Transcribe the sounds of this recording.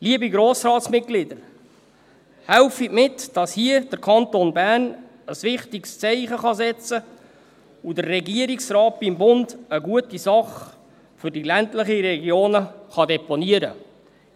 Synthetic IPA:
liəbiɡɾoːsrɑːtsmɪt̚ɡ̥lɪdəɾ | hæʊfimɪtd̥ɑshiəd̥əɾkʰɑntonbærn | əsʋɪχtikst͡sɛɪχəχɑsɛt͡sə | udərːɛɡiəɾiksrɑːt̚b̥ɪmbʊndəɡuətisɑχ | fʏrdilæntləχiɾɛɡjoːnəχɑdɛponiəɾə

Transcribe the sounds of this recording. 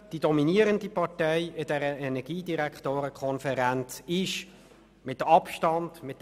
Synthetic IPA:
d̥id̥ɔminiəɾəndipɑʁtɛjɪdɛɾəɛnɛɡ̥iːdiɾæktoːɾəkʰχɔnfəɾænt͡sɪʃ | mɪtːəɑpʃtɑnd̥̪mɪt̪ː

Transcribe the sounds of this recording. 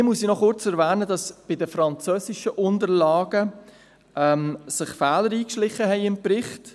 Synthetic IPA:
iːmusinɔχʊɾt͡sɛɾvæːnədɑsb̥ɪdəfɾɑnt͡søːsɪʃəʔʊndəɾlɑːɡ̥ə | ʔɛmsɪχfɛːləɾiːkʃlɪχːəɦɛɪɪmpɾɪχt

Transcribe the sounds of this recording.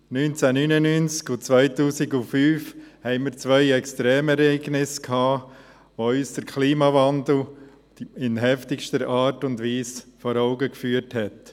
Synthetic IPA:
nynt͡sænynənynt͡skʊt͡sʋœɪtuːsɪɡʊfyːfhɛɪmiːɾt͡sʋœɪɛkstɾɛːmɛɾɛɪɡnɪskʰɑː | ʋoyːsd̥əɾkʰliːmɑvɑndl̩ | ɪnɦɛftɪʃtəɾɑːɾtʊndʋiːsfɔɾɔʊɡəkfyːəɾthɛt

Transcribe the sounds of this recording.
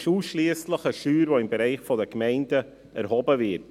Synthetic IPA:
ʃuːsʃliəsləχəʃyːɾvoɪmbɛɾɛɪχfɔdəkmɛɪndə | ʔæ̰ɾhɔbəvɪt

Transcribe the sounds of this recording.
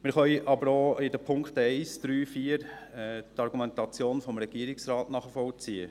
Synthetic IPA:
mɪɾχœjʔɑbəɾoːɪdəpʰʊŋkχtɛɪsd̥ɾyːfiːɾt̪ɑɾɡumɛnt̪ɑt͡sjoːnfɔmɾɛɡ̥iːɾɪksrɑːtnɑːχəfɔlt͡siːə

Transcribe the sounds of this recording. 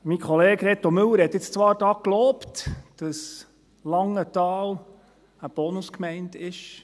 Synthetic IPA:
mikχɔleːɡɾɛt̪omɵləɾhɛt̪ːɪt͡st͡sʋɑːɾdɑːkloːptd̥ɑs | lɑŋətɑːl | əb̥ɔnʊskmɛɪndɪʃ

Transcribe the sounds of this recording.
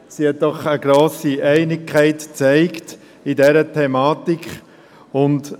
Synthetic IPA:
sihɛt̚d̥ɔχəɡ̥ɾoːsiʔɛɪnɪkʰːæɪtt͡sɛɪkt | idɛɾətʰɛmɑːtikʰ | ʊnt

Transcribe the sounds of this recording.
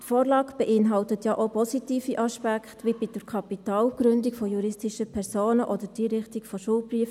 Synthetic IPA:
tfoːrlɑːkb̥ɛʔɪnɦɑltətjɑʔopɔsitiːfiʔɑʃpækχtʋibid̥əɾkʰɑpit̪ɑːlɡ̥ɾʏndikfɔjuɾɪstiʃəpʰɛɾsoːnəʔɔdəɾd̥iɾɪχtikfɔʃuːlbryəf

